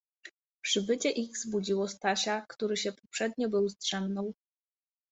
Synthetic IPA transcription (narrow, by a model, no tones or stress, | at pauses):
pʂɨbɘt͡ɕɛʔixz̥bud͡ʑiwɔst̪ʰaɕakt̪uɾɨɕɛpʰɔpʂɛd̪ɲʲɔbɨwzt̪ʂɛmnɔw